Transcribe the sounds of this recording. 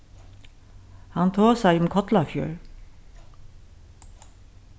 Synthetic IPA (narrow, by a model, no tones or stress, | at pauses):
hant̪ʰoːsajʊmkʰɔt̪lafjœ̰ːɹ